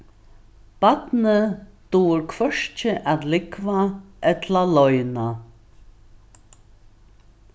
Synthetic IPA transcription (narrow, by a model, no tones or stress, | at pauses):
b̥at̪nəd̪̥uːɾkʰvœʂt͡ʃəʔat̪lɪkʰvaʔɛt̪ʰlalɔʏna